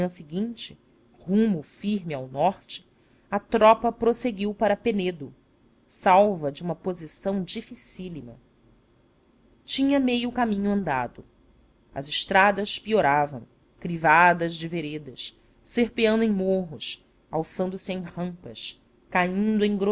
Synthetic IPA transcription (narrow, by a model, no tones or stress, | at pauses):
ɐ̃sɪɡĩnt͡ʃɪ | hũmʊfiɾmɪawnɔχt͡ʃɪ̥ | ɐt̪ɾɔpɐpɾoseɡiwpaɾɐpened̪ʊ | sawvɐd͡ʒɪũmɐpozisɐ̃w̃d͡ʒifisilimɐ | t͡ʃĩɲɐmejʊkamĩɲʊɐ̃nd̪a̰d̪ʊ | ɐ̰zɪʃt̪ɾad̪ɐʃpioɾavɐ̰̃w̃ | kɾivad̪ɐzd͡ʒɪveɾed̪ɐʃ | sehpeɐ̃nd̪ʊẽj̃moɦʊʃ | awsɐ̃nd̪ʊsɪẽj̃hɐ̃mpɐʃ | kaĩnd̪ʊẽj̃ɡɾo